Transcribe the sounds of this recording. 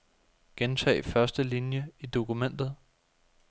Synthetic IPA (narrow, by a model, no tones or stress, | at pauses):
ɡ̥ent͡sʰɛ̰ːɪfɶɐsd̥əlinjəid̥o̝kumen̰d̥ð̞̩ˠ